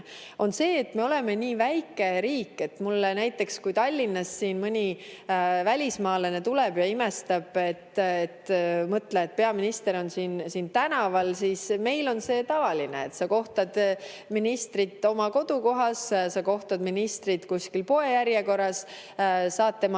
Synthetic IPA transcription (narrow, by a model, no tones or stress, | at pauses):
o̞nse̞ːt̪me̞o̞le̞meniːvæjkːˑe̞ɾiːkːˑe̞t̪mulːenæjt̪ːˑe̞kskujt̪ɑlʲːinːɑsːiːnmɯnʲi | vælʲismɑːlenet̪uleb̥jɑime̞st̪ɑb̥e̞t̪ːet̪ːmɤt̪ːleet̪̚pe̞ɑminist̪e̞ɾo̞nsiːnsiːnt̪ænɑvɑlsisme̞jlo̞nse̞ːt̪ɑvɑlinḛet̪sɑko̞ht̪ɑd̪̥ | minist̪rit̪ːˑo̞mɑko̞d̪̥uko̞ɦɑssɑko̞ht̪ɑd̪̥minist̪rit̪kuskilpoe̞jæɾjeko̞rɑs | sɑːt̪ːemɑ